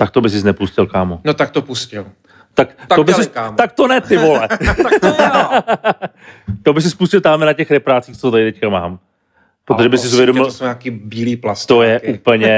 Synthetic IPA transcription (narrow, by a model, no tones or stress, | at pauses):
t̪ak̚t̪obɪs̬ɪsnɛpuscɪlkaːmonot̪ak̚t̪opuscɪl | t̪akt̪obɪsɪsat̪ak̚t̪onɛt̪ɪvolɛ | t̪obɪs̬ɪspuscɪlt̪aːmɛnacɛxɾɛpɾaːt͡siːxt͡soot̪adɪt̪ɛckamaːm | pɾot̪oʒɛbɪssɪzuvjɛdomɪlsoɲaːkiːbiːliːplast̪ojɛʔupl̩ɲɛ